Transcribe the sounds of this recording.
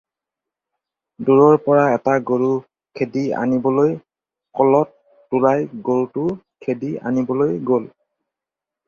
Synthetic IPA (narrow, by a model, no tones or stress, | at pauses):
duɹɔɹpɔɹaɛtaɡoɹu | kʰedia̰nibɔloj | kɔlɔtː | ʊlajɡoɹutʊ | kʰedia̰nibɔlojɡol